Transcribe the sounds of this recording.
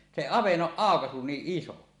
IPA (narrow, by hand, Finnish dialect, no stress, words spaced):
se ɑʋenːoʔ ʔɑˑokɑsu niːʔ ʔiso